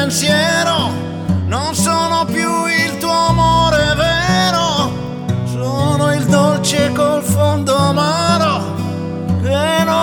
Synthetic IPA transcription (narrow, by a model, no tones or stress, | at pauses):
nsjɛːɾo | nonsoːnopjuilt̪uːoamoːɾevɛːɾo | soːnoild̪olt͡ʃekolfond̪oamaːɾo | keno